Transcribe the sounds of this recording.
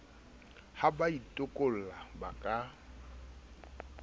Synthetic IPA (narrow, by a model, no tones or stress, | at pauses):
habaitʼʊkʼol̩laba̰kʼa